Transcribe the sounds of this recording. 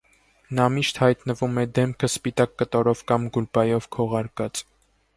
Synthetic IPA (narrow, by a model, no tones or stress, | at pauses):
nɑmiʃt̪hɑjt̪nəvumɛd̪ɛmkʰəspit̪ɑkːət̪ɔɾɔvkɑmɡulpɑjɔvkʰɔʁɑɾkɑt͡s